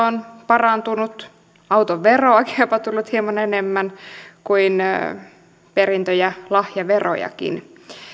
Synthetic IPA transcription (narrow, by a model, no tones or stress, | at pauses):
onpɑrɑnt̪unut̪ | ɑwt̪oʋʋeroɑkinjopɑt̪ulːut̪hiemɑnenemːænkuin | perint̪øjælɑhjɑʋero̰jɑ̰kḭn